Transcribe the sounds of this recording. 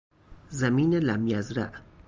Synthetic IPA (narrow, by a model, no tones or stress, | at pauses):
zæmiːnelæmjæzɾæ̰ʔ